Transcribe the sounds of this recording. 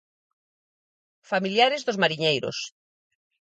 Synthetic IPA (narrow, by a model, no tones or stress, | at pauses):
familjaɾɪzðozmaɾiɲejɾo̰s